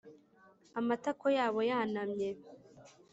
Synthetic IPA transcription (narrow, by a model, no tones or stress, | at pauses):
amatakojaːβo̞janamɲe